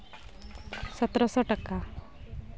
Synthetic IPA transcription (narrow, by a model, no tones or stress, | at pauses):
sɔt̪ɾɔsɔʈaka